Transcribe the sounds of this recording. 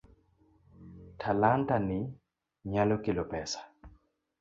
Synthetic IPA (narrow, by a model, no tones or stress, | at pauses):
tʰalandanɪ | ɲalɔkilɔpɛsḁ